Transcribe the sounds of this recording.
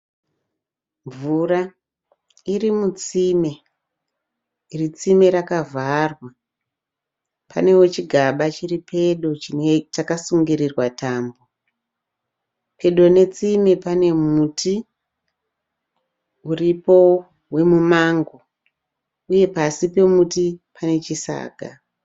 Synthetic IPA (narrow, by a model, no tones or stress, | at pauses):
ɱvuɾa | irimut͡sime̞ | irit͡sime̞ɾakavʱarwa | pa̰ne̞wo̞t͡ʃiɡʱaɓat͡ʃiripʰe̞ɗo̞t͡ʃinet͡ʃakasuŋɡiɾirwataːmbo̞ | pʰe̞ɗo̞ne̞t͡sime̞pane̞mutʰi | uripo̞ | we̞mumaŋɡo | uje̞pasipe̞mutipʰane̞t͡ʃisa̰ːɡʱa̰